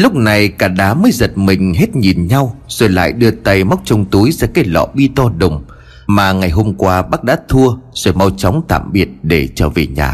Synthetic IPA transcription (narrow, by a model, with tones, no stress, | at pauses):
lʊ˦˥k͡p̚na˨˩jkaː˧˩ɗaː˨˦məː˨˦jzə˨˩t̚mï˨˩ŋ̟ɦe˦˥t̚ɲi˨˩nɲa˧wz̥o˧˩jla̰ː˧˨jɗɨ˧ət̪a˧jma˦˥wk͡p̚t͡ɕə˧wŋ͡mt̪u˨˦jzaː˧˩kaː˨˦jlɔ̰˧˨ɓi˧t̪ɔ˧ɗə˨˩wŋ͡m | maː˨˩ŋa˨˩jɦo˧mkwaː˧ɓaː˦˥k̚ɗa̰ː˧˥t̪ʰu˧əz̥o˧˩jma˧wt͡ɕɔ˨˦wŋ͡mt̪a̰ː˧˨mɓi˨˩ət̚ɗe˧˩t͡ɕəː˧˩ve˨˩ɲa̰ː˨˩